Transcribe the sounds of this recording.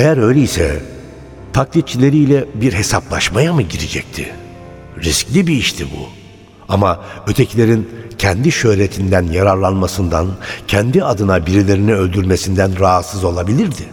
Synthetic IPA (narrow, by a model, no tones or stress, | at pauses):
ejæɾø̞jlʲeisɛ̰ | t̪ʰak̚lʲˠit̪̚t͡ʃʰilʲe̞ɾijlʲɛbiɾɦe̞saplˠaʃmajamɯɟiɾid͡ʒɛc̚t̪ʰɪ̰ | ɾisclʲibiiʃt̪ʰibṵ | amaø̞t̪ʰecʰilʲe̞ɾincʰɛnd̪iʃø̞hɾe̞t̪ʰind̪ænjaɾaɾlˠanmasɯnd̪ancʰɛnd̪iad̪ɯnabiɾilʲe̞ɾiniø̞lʲd̪yɾme̞sind̪ænɾaɦat̪sɯzo̞lˠabilʲiɾd̪ɪ